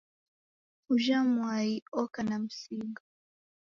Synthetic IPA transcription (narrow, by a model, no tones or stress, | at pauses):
uʒamwajiɔkanam̩siɡa